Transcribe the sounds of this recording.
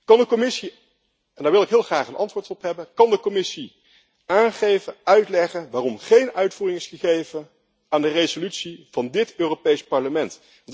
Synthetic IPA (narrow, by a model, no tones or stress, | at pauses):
kɑndəkomɪsi | ɛndaːɹʋɪlˠɪkɦɪːlˠχraːχənʔɑ̰ntʋʊːɹtɔpɦɛbənkɑndəkɔmɪsi | aːnχejvəœɥtlɛχəʋaːrɔmχejnœɥtfuːrɪŋɪsχəχejvən | aːndərejzolytsiv̥ɑndɪtøːropejspɑɹləmɛnt | ʋɑn